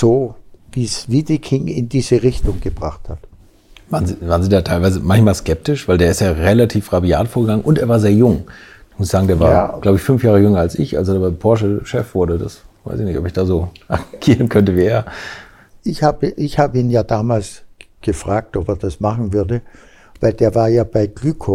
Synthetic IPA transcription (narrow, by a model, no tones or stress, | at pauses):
z̥oːviːsviːdikʰɪŋɪndiːzəʁɪçtʊŋɡ̥əbʁaχthat | vaːʁənziːvaːʁənziːdaːtʰaɪlvaɪzəmançmaːlskɛp̚tɪʃv̥aɪldeːɐɪstjaːʁelatʰiːfʁabia̰ːtfoːɐɡəɡaŋənʔʊnteːɐvaːɐzeːɐjʊŋd̥umʊsɪ̥çz̥aːɡŋ̩deːɐvaːɐɡlaʊbəɪçfʏnfjaːʁ̞əjʏŋɐalsɪ̰çʔa̰lzodaːapʰɔɐʃ̬əʃɛfvʊɐdədasv̥a̰ɪsɪçnɪçtɔpɪçd̥aːzoːʔaɡʰiːʁənkʰœntəviːeːɐ | ʔɪçhaːbəʔɪçhaːbəiːnjaːdaːmaːls | ɡ̥əfʁ̥aːk̚tɔpeːɐdasmaχn̩vʏɐdə | vaɪldeːɐvaːɐjaːb̥aɪɡ̥lykʰo